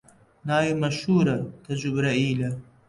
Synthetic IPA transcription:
naːjimɐʃuːɾɐt̪ʰɐzubɾɐiːlɐ

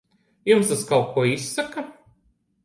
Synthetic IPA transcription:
jumst̪askalˠkuɔisːaka

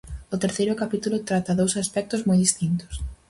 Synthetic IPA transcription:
ʊt̪eɾθejɾʊkapit̪ulʊt̪ɾat̪aðowsaspɛk̚t̪ʊzmɔjðist̪int̪ʊ̥s

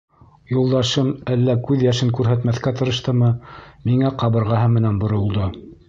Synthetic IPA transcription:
julˠd̪ɑʃɤmælːækʉðjæʃɘŋkʉɾɦæt̪mæθkæt̪ɤ̆ɾɤ̆ʃt̪ɤmɤmiŋæqɑβɤ̆ɾʁɑɦɤmɘ̆nænbŏɾŏlˠd̪o

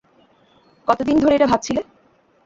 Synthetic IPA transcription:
kɔt̪od̪ind̪ʱoɾeeʈabʱab̚t͡ɕʰile

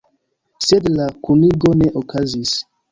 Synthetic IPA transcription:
sedlakuniɡoneʔokʰazis

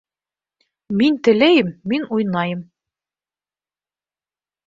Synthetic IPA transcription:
mint̪ɘ̆læjɘmːinujnɑjɤm

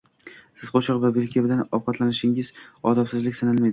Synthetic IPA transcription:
sɪzqʰoʃɨqvavelkʲʰebɪd̪anɒwqɑt̪lanɪʃɪŋɪz̥ɒd̪ɒpsɪzlɪkʲsanalmajd̪ɪ

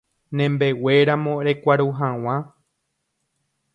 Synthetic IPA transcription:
nẽ̞mbe̞we̞ɾamõɾe̞kʷaɾuɦãw̃ã

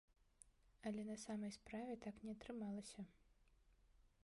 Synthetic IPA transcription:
ɐlʲɛnɐsamɐjspɾavʲɛt̪aknʲɛɐt̪ɾɨmalˠɐsʲɐ

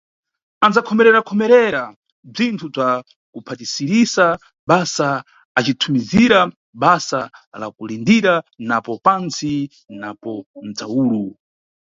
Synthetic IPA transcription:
and͡zakʰɔmɛɾɛɾakʰɔmɛɾɛɾa | b͡ʐintʰub͡ʐa | kupʰatisiɾisa | ɓasa | at͡ʃitʰumiziɾa | ɓasala̰kulindiɾanapɔpansi | napɔn̩d͡zawuːlu

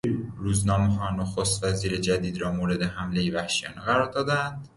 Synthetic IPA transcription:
ɾuːznɒːmeɦɒːnoxost̪væziːɾed͡ʒæd̪iːd̪ɾɒːmoːɾe̞d̪e̞ɦæmle̞jevæhʃijɒ̰ːneɣæɾɒːɾd̪ɒːd̪ænd̪

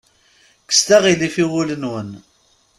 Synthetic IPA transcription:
kə̥st̪æʁilifiwulənwən

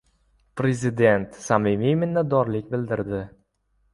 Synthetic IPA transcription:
pɾe̞zɪd̪e̞nt̪samimijmɪnːat̪ːɒɾlɪkʲbɪld̪ɪɾd̪ɪ

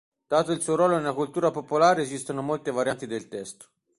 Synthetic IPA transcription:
d̪̥aːt̪oilsuːoɾwɔːlonelakult̪uːɾapopolaːɾeeːzist̪anomolt̪evaɾjant̪id̪elt̪ɛst̪o̥

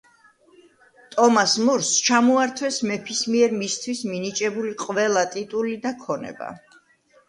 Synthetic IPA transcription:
t̪ʼɔmasmuɾst͡ʃʰamɔaɾt̪ʰwɛsmɛpʰismiɛɾmist̪ʰwisminit͡ʃʼɛbuliqʼvɛlˠat̪ʼit̪ʼulid̪akʰɔnɛ̰ba̰

